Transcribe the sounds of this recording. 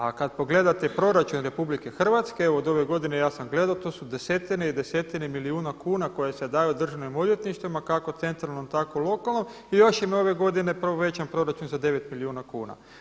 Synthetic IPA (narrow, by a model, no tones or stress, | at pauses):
akad̪po̞ɡle̞d̪at̪epɾo̞ɾat͡ʃunɾe̞publike̞xr̩ʋat̪skeeʋoːd̪o̞ʋe̞ɡo̞d̪ine̞jaːsamɡled̪aot̪oːsud̪e̞se̞t̪ineid̪e̞se̞t̪inemiliuːnakuːnako̞jese̞d̪ajud̪r̩ʒaʋnimo̞ljet̪niʃt̪ʋimakako̞t̪se̞nt̪ɾalno̞mt̪akolˠo̞kalˠno̞m | ijo̞ʃjemo̞ʋe̞ɡo̞d̪ine̞prʋoʋe̞t͡ɕampɾo̞ɾat͡ʃunzad̪e̞ʋe̞t̪miliuːnakuːna̰